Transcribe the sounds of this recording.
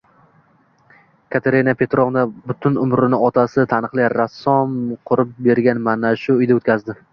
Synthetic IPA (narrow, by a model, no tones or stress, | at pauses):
kʰat̪ʰeɾinapʰe̞t̪ɾovnabʊt̪ʰʊnʊmɾɪnɪɒt̪ʰasɪt̪ʰanɨqlˠɪɾasːɒmqʰʊɾɪp̚be̞ɾɡʲanmanaʃʊʊjd̪aot̪kʲʰazd̪ɪ